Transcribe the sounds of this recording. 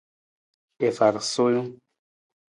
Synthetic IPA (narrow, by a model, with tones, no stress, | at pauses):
e˨fa˨ɾso˦jũ˦